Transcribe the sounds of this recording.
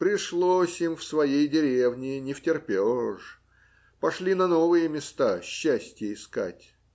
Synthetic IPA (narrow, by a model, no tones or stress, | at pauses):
pɾʲɪʂlˠosʲimfsvɐjejdʲɪɾʲe̞vnʲɪnʲɪftʲɪrpʲeʂ | pɐʂlʲinɐno̞vɨjəmʲɪst̪aɕːæsʲtʲjəɪska̰tʲ